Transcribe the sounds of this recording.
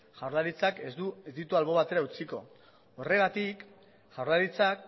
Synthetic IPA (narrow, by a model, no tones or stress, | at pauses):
ʝawɾlaɾit͡sake̞zd̪uezd̪it̪ualβo̞βat̪e̞ɾaut͡siko̞ | ore̞ɣ̞at̪ik | ʝawɾlaɾit͡sak